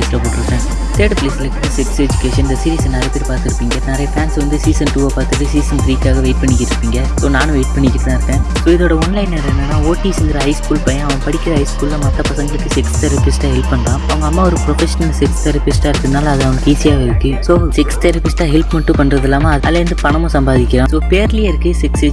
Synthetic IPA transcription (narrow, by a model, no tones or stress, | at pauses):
ɪsʈɾaːpoːʈːɯɾɯpːẽː | t̪eːɾɖpɪleːsɪlɐkːʈ̪ːɯsɪksed͡ʒʊkeːʂɐnnd̪ɐsɪɾiːsɛnːaːɾɐt̪ːɪɾpaːɾt̪ɪɾɯpːiːŋɡɐnɛɾɐjɐfaːnsʋɐnd̪ɯsiːsɐnʈuːaːpaːɾt̪ɯʈːɯsiːsɐnt̪ɾiːkːaːɣɐʋeːɪʈ̚pɐɳːɪkːɪɾɯpːiːŋɡɐsoːnaːnɯ̃ʋeːɪʈ̚pɐɳːɪkːɪʈːẽːɾɯpːẽːsoːɪðoːɽɐɔnlɐɪnɛɾɐnːɐnːaːoːʈːiːsɪnd̪ɪɾɐɦɐɪskuːlpɐjãɐʋɐ̃ɐpɐɽɪkʲːɪɾɐɦɐɪskuːlːɐmɐt̪ːɐpɐsɐŋɡɐɭɯkːɯsɪkst̪ɛɾɐpɪsʈaːɦɛlpːɐɳːɾãːɐʋɐŋɡɐːmːaːɔɾɯpɾɔfɛʂɐnɐlsɪkst̪ɛɾɐpɪsʈaːɪɾɯt̪ːɯnaːlɐɐðɯɐʋɐnɐkːiːsijaːɣɐɪɾɯkːɯsoːsɪkst̪ɛɾɐpɪsʈaːɦɛlpmɐʈːɯ̃pɐɳːɾɐðɛlːaːmaɐɐlːɐɾɯnd̪ɯpɐɳɐmʊ̃sɐmbaːðɪkʲːɪɾãːsoːpeːɾlɪjɐɪɾɯkːɯsɪksɪ